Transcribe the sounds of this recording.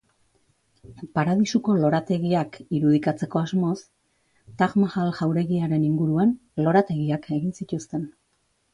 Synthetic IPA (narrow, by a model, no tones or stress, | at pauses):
paɾaðisuko̞lo̞ɾat̪e̞ɣiakiɾuð̞ikat͡se̞ko̞azmo̞s | t̪aɣmaɣalʝawɾe̞ɣiaɾe̞niŋɡuɾuan | lo̞ɾat̪e̞ɣiakʰe̞ɣinsit̪ust̪e̞n